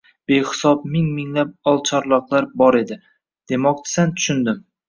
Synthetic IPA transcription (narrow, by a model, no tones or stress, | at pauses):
b̥e̞hɪ̥sɒb̚mɪŋmɪŋlap̚ɒlˠt͡ʃʰɒɾlˠɒqlˠaɾbɒɾe̞d̪ɪ | d̪̥e̞mɒk̚t͡ʃ̪ʰɪ̥sant̪ʰʊ̥ʃʊnd̪ɪm